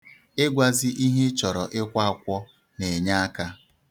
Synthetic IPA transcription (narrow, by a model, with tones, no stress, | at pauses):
e˦ɡʷa˨zɪ˦ʔi˦ɦe˦t͡ʃɔ˨ɾɔ˨ʔɪ˦kʷa˦a˨kʷɔ˦ | ne˨ɲa˦a˦ka˦